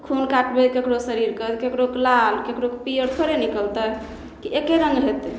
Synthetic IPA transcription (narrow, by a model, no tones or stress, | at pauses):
kʰunkaʈbekekɽosəɾiɾkəd̪kekɽoklalkekɽokepijəɾp̪ʰəɾenikəlt̪ə | kiekeɾəŋɡɦet̪